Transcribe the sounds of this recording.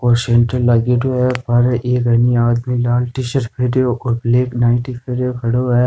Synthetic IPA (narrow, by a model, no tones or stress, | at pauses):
koːɾseɳʈəlːaːɡeːʈoɦɛːbaːɾɐʔeːkɐniaːd̪milaːlʈɪʃəɾpʰeːʈjoʔɔːɾbleːknaːɪ̃ʈipʰeːɾjokʰɐɽoɦɛː